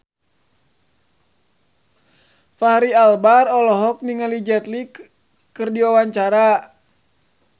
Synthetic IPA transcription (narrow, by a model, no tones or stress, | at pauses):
fahɾialbarɔlɔɦɔk̚niŋəlid͡ʒɛt̪lik | kɨrdiwawaɲt͡ʃaɾa